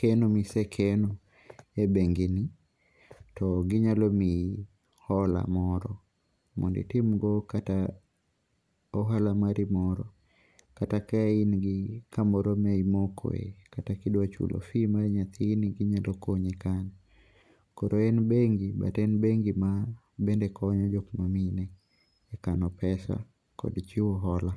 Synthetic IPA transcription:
kɛnɔmisɛkʰɛnɔ | ɛbeŋɡini | tɔɡɪɲalɔmi | hɔla̰mɔɾɔ | mɔ̰ndḭtimɡɔkata | ɔɦalamaɾimɔɾɔ̰ | katakainɡɪkamɔɾɔmeimɔkʰɔ̰ḛkatakidwat͡ʃṵlʔɔ̰fimaɾɲat̪iniɡɪɲalɔkoɲikanɛ | kɔɾɔɛnbeŋɡɪba̰tɛnbeŋɡima | bɛndɛkʰɔɲɔd͡ʒɔkmaminɛː | kanɔpɛsa̰ | kɔ̰dt͡ʃiwɔɦɔla

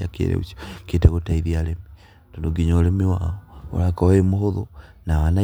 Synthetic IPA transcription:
akḛɾḛṵso̥kiteɣotaiðialemi | tondoɡiɲolemiwa̰oo̰lakowemohoðo̰naβana

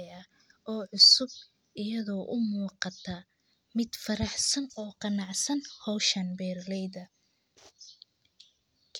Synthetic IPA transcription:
ɐ | ʔɔːʕʊsʊb̚ | ɪjɐðɔːʔʊmuːqɑt̪ʰɐ | mɪd̪fɐɾɑħsɐnɔːqɑnɑʕsɐnhɔwʃɐnbɛːrlɛjðɐ | kʰ

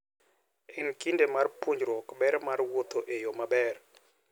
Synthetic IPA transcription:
ɛnkindemarpoɲd͡ʒɾwɔkbɛɾmarwot̪oʔejomabɛr

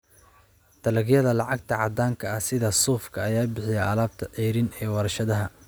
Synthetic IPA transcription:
t̪ʰɐlɐɡjɐðɐlɑʕɑɡ̚t̪ʰɐʕɑd̪aːŋkʰɐɐhsɪðɐsuːfkʰɐɐjaːbɪħɪjɛɐlaːb̚t̪ʰɐʕiːɾɪnɛːwɐɾɐʃɐðɐɦɐ

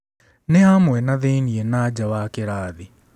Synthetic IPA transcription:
nehamwɛnaðeːnienaːd͡ʒawaːkeɾaːði

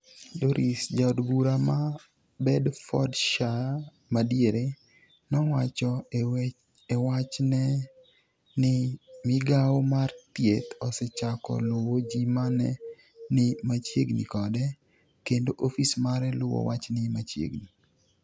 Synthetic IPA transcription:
doɾʔisd͡ʒaodbuɾama | bɛdfɔdʃa | madjeɾe | nɔwat͡ʃɔ | ɛwat͡ʃnɛ | nɪmɪɡawmart̪jet̪ɔsɛt͡ʃakɔ̰lʊwod͡ʒimanɛ | nɪmat͡ʃjeɡnḭkɔdɛ | kendoʔofismaɾɛlʊwɔ̰wat͡ʃnɪmat͡ʃjḛɡni

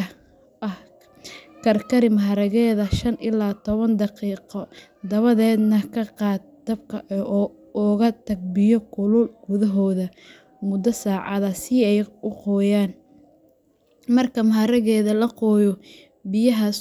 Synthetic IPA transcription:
ʔɐh | kʰɐrkʰɐɾɪmɐɦɐɾɐɣɛːðɐʃɐnʔɪlaːt̪ʰɔβɐnd̪ɑqiːqɔ | d̪ɐβɐðɛːd̪nɐkʰɐqɑːd̪̚d̪̥ɐbkʰɐʔʔ | ɔɣɐt̪ʰɐɡ̚bɪjɔkʰʊlʊlɡʊðɐɦɔːðɐ | mʊd̪ɐsaːʕɑðɐsɪɛjʊqɔːjaːn | mɐrkʰɐmɐɦɐɾɐɣɛːðɐlɐqɔːjɔ | bɪjɐɦɐ

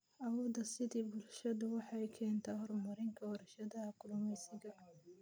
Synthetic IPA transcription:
ʔɐwɔːd̪ɐsɪðiːbʊlʃɐðʊwɑħɑjkʰɛːnt̪ʰɐhɔrmɐɾɪŋkʰɐwɔɾɐʃɐðɐkʊlʊmɛjsɪɣɐ

